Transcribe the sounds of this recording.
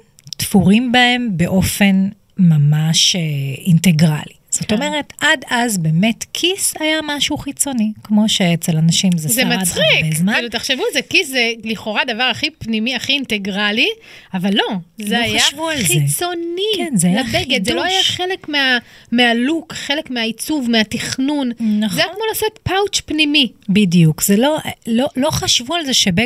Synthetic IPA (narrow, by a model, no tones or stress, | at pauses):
tfuʁimbae̞mbe̞ʔo̞fe̞n | mamaʃeinte̞ɡʁa̰liz̥o̞t̪o̞meʁe̞tadazbe̞me̞tkʰisajamaʃuχit͡so̞nikmo̞ʃeet͡se̞lanaʃimzezemat͡sdχikbezmailuteχʃevulzekiszeliχo̞ʁadavaʁaχipnimiaχiːnte̞ɡʁali | avalːo̞zeajavualiet͡so̞niknzeajlabbeɡed̪zeloajaχe̞le̞kmeamealukχe̞lekmeait͡suvmeatiχnunnaeajakmo̞lasetpawt͡ʃpnimibidijukz̥elo̞lo̞lo̞χaʃvualzeʃebe